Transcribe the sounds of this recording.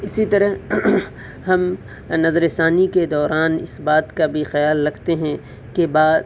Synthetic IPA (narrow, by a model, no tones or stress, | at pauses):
ɪsit̪ɐɾəɦ | ɦɐm | nɐzɾɪst̪aːniked̪ɔːɾʔaːnɪ̰sbaːt̪kabʱixɐjaːlːɐɡt̪eɦɛ̃ | kebaːd̪